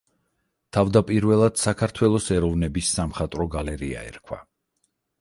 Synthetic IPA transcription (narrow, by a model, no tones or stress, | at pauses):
t̪ʰavd̪apʼiɾvɛlˠad̪̥sakʰaɾt̪ʰwɛlˠɔsɛɾɔvnɛbisːamχat̪ʼɾɔɡalɛɾia̰ɛ̰ɾkʰwa̰